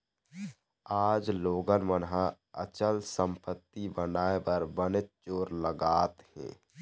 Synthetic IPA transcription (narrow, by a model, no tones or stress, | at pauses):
aːd͡ʒloːɡənmənɦã | ət͡ʃəlsə̃mpət̪ːibənaːebəɾbənɪt̪̚t͡ʃoːɾləɡaːt̪hɛ̰̃ː